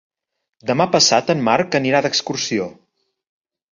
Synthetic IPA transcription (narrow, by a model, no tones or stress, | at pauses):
d̪əmapəsat̪əmmːarkəniɾaðəkskursio